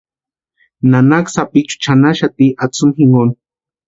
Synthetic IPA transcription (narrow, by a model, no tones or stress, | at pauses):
nanaksapik̚t͡ʃu̥t͡ʃanaʃat̪iʔat͡sumxiŋon